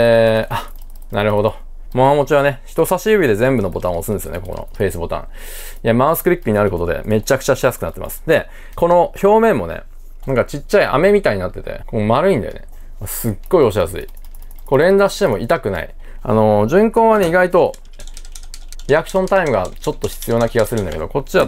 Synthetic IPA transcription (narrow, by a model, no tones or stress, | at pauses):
ʔa | naɾɯ̟ho̞d̪o̞ | moɦamo̞t͡ɕiβ̞ane̞çi̥t̪o̞saɕiɯ̟bʲid̪e̞zẽ̞mbɯ̟no̞bo̞t̪ãɰ̃osɨ̃nesɨjo̰ekoko̰no̰ɸe̞ːsɨbo̞t̪ã̰ | iamãɯ̃sɨ̥kɯ̟ɾʲikːɯ̟ɲ̟inaɾɯ̟ko̞t̪o̞d̪e̞̰me̞t͡ɕakɯ̟̥t͡ɕaɕijasɨ̥kɯ̟nat̪ːemʔa̰sɨ̥d̪e̞ | ko̞no̞ço̞ːmẽ̞mːo̞ne̞̰ | nãŋkat͡ɕit͡ɕːaiʔa̰me̞mʲit̪aiɲ̟inat̪ːe̞t̪e̞̰komaɾɯ̟ĩnd̪ḛne̞ | βasɨɡːo̞io̞ɕiasɨḭ | ko̞ɾẽ̞nd̪aɕi̥t̪e̞mo̞ʔit̪akɯ̟na̰ḭ | a̰no̞ʑɨ̃ŋkõ̞ːβane̞iɡait̪o̞ | ɾʲiakɯ̟̥ɕõ̞nt̪aimɯ̟ɡat͡ɕo̞t̪ːo̞çi̥t͡sɨjo̞nakʲiɡasɨɾɯ̟̃nd̪ake̞d̪oko̞t͡ɕːiβa